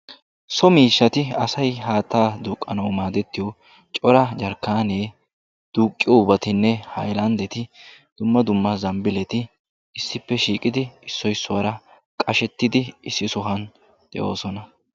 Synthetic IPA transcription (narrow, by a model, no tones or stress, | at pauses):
sɔmiːʃːɐt̪ɪɐsɐjɦaːt̪ːaːd̪uːkʼːɐnɐwmaːd̪ɛt̪ːɪjɔ | t͡ʃʼɔɾɐd͡ʒɐɾkːaːne̞ː | d̪̥uːkʼːɪjɔʊbɐt̪ɪnːɛhɐjlɐnd̪ɛt̪ɪd̪̥ʊmːɐd̪ʊmːɐzɐmbɪlɛt̪ɪ | ɪsːɪpːɛʃiːkʼɪd̪ɪɪsːɔjsːʊwɐɾɐ | kʼɐʃɛt̪ːɪd̪ɪɪsːɪsɔɦɐn | d̪̥ɛ̰ʔo̞̰ːsɔnɐ